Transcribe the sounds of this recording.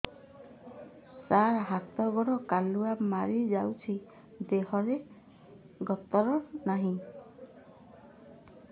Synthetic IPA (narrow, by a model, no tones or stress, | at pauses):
saɾɦat̪ɔɡɔɽɔkaluamaɾid͡ʒawt͡ʃʰi | d̪eɦɔɾe | ɡɔt̪ɔɾɔnaɦĩ